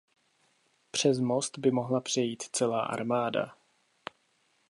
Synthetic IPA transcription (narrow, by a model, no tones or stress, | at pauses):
pr̝̥ɛzmo̞st̪bɪmo̞ɦlapr̝̥ɛjiːt̪t͡sɛlaːʔa̰ɾmaːda̰